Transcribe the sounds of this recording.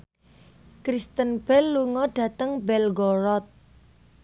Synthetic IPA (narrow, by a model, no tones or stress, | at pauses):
kɾist̪ənb̥ɛlːuŋɔɖ̥ä̤t̪əŋbɛlɡɔɾɔt̪̚